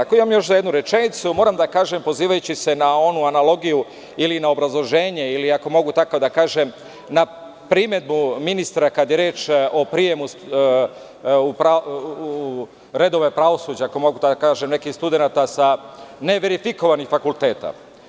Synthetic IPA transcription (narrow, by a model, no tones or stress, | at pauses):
akoimamjo̞ʃ̬zajed̪nuɾe̞t͡ʃe̞nit̪sumo̞ɾamd̪akaːʒe̞mpo̞ziːʋajut͡ɕise̞nao̞nuanalo̞ɡiju | ilinao̞bɾazlˠo̞ʒe̞ːɲe̞iliako̞mo̞ɡut̪akod̪akaːʒem | na | pɾime̞d̪̚buminist̪ɾakad̪je̞ɾjeːt͡ʃo̞pɾije̞mus | upɾa | ɾe̞d̪o̞ʋe̞pɾaʋo̞suːd͡ʑaako̞mo̞ɡud̪akaːʒemne̞kixst̪ud̪e̞nat̪asane̞ʋe̞ɾifiko̞ʋanixfakulˠt̪e̞ːt̪a̰